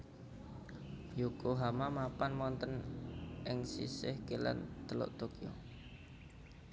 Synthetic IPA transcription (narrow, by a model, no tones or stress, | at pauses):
jukoɦamamapanmɔnt̪ənʔɪŋsḭsɪhkela̰nt̪əlɔ̰ʔt̪okio̰